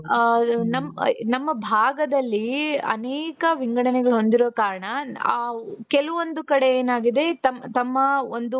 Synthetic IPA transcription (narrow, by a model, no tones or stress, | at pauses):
nɐmnɐmːɐbʱaːɡɐd̪ɐlːiɐ̰nɛːkɐʋiŋɡɐɽɐnɛɡɐɭuɦo̞nd̪iɾoːkaːɾɐɳɐ | kɛluʋo̞nd̪ukɐɽe̞eːnaːɡid̪e̞t̪ɐmt̪ɐmːɐond̪u